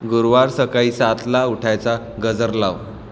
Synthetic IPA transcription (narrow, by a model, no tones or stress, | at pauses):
ɡuɾʋaɾsəkaiːsat̪lauʈʰajt͡sa | ɡəd͡zəɾla̰ʋ